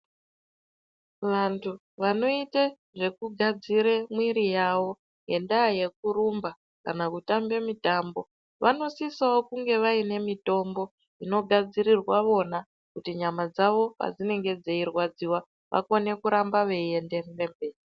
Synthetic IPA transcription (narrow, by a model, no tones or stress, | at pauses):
ʋantʰu | ʋano̞ite | ʐe̞kuɡʱad͡ziɾemwiɾijaʋo̞ | je̞ndaje̞k̚uɾumba | kanakutambe̞mitambo̞ | ʋano̞sisaokuŋɡe̞ʋaine̞mito̞mbo̞ | ino̞ɡʱad͡ziɾirwaʋo̞na | kutiɲamad͡zaʋo̞pa̰d͡zine̞ŋɡe̞d͡zeirwad͡ziwa | ʋʔa̰kone̞kuɾambaʋe̞enderembeːi